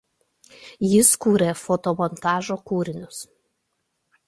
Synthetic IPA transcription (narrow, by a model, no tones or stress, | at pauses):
jɪskuːɾʲefɔt̪ɔmɔnt̪ɑːʒoːkuːɾʲɪnʲʊs